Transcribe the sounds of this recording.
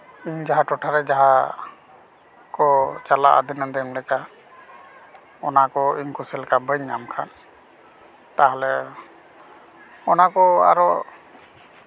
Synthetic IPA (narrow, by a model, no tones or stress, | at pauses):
iɲd͡ʒaɦaʈɔʈʰaɾɛd͡ʒaɦa | kɔt͡ʃala̰ʔa̰d̪inəd̪əmlɛka | ɔnakɔiɲkusɛlɛkabəɲːamkʰan | t̪aɦɛlɛ | ɔnakɔa̰ɾɔ